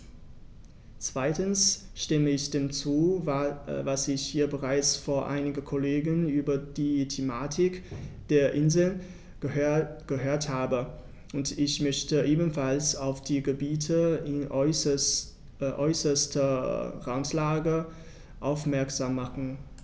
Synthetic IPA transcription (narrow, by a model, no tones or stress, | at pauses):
t͡sv̥aɪtənsʃtɪməɪçd̥eːmt͡suː | vasɪçhiːɐbəʁaɪt͡sfoːɐʔa̰ɪnɪɡəkʰoleːɡənyːbɐdiːtʰemaːtʰɪkd̥eːɐʔɪnzl̩ | ɡ̥əɦøːɐthaːbə | ʔʊntɪçmœçtəʔeːbən̩falsaʊfd̥iːɡəbiːtʰəɪ | ʔɔʏsɐstəʁantlaːɡə | ʔaʊfmɛɐkz̥aːmːaχn̩